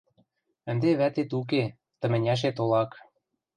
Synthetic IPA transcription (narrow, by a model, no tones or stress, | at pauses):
ə̆nd̪eβæt̪et̪uk̬e | t̪ə̆mɘ̆nʲæʃ̬et̪olɑk